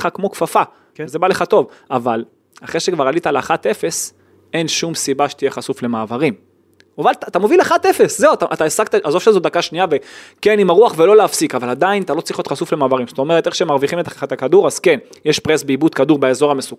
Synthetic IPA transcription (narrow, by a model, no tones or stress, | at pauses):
χakmo̞kfafa | zebaleχat̪o̞vaval | aχʁeʃekvaʁalit̪aleaχat̪e̞fe̞s | e̞nʃumsibaʃe̥t̪ijeχasufle̞maːvaʁim | avalt̪at̪amovilaχat̪efeszewut̪aʔat̪aesaɡ̚t̪aʔazo̞vʃelzod̪akaʃniavekenimaʁuaχvelo̞leafsikavalad̪ainat̪alo̞t͡slʁiχot̪χasufle̞maːvaʁimzot̪o̞me̞ʁet̪eχʃeemaʁviχimet̪aχaχat̪akad̪uʁaz̥ken | jeʃpʁesbeibud̪kaduʁbeezo̞ʁamesuk